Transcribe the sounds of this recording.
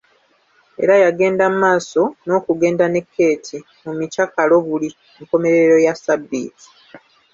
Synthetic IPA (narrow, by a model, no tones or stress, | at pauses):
e̞̰ɾajaɡe̞ːndamaːso̞no̞ːkuɡe̞ːndane̞kʰːe̞ːtʰi | mumicakalo̞βuli | eŋko̞me̞ɾe̞ɾo̞jasabːḭːti̥